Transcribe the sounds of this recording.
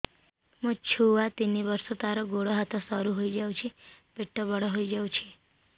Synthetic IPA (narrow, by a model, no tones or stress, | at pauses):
mõt͡ʃʰuʋat̪iniʋəɾsot̪aɾoɡoɽoɦat̪õsəɾuɦoid͡ʒaũt͡ʃʰeb̥eʈʰːobəɽoɦoid͡ʒaũt͡ʃʰe